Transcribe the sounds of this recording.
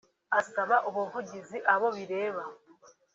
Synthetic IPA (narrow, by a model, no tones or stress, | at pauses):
asamaʔoβuvuɟiziʔaβo̞βiɾe̞ːβa